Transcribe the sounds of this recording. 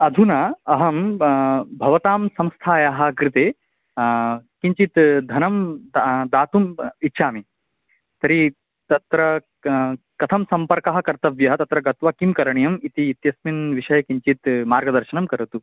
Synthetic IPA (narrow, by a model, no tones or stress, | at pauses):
ɐd̪ʱunɐɐɦɐm | bʱɐʋɐt̪aːmsɐ̃mst̪ʰaːjaɦɐ̆kɾɪt̪eː | kiɲt͡ʃit̪d̪ʱɐnɐmd̪d̪aːt̪umit̪ːʃʰaːmi | t̪ɐɾi | t̪ɐt̪ɾɐ | kɐt̪ʰɐmsɐmpɐɾkɐɦɐ̆kɐɾt̪ɐʋjɐɦɐt̪ɐt̪ɾɐɡɐt̪ʋɐkimkɐɾɐɳijɐmit̪iːt̪jɐsminʋiʃɐjɐkiɲt͡ʃit̪maːɾɡɐd̪ɐɾʃɐnɐmkɐɾɐt̪u